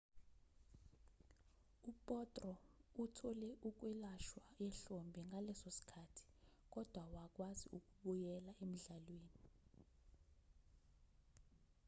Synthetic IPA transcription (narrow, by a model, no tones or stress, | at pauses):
upʼɔtʼrɔutʰɔlɛʔuk̬wɛlaʃwajɛɬombʱiŋʱalɛsosi̥kʰaːtʰi̥k̬ʼɔd̥ʱwawak̬ʼwaziʔuk̬uɓujɛlaʔem̩ɮalweːni